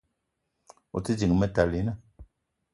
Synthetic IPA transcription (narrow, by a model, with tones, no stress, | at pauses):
o̰˨ti˦d͡ʒi˨ŋ˨mɛ˦ta˨li˨˦na˦